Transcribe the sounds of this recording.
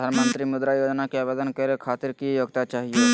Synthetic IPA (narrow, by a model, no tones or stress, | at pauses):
anmənt̪ɾimʊd̪ɾajod͡ʒnakeaːbed̪ənkəɾekʰat̪iɾkijoɡt̪at͡ʃaːɦije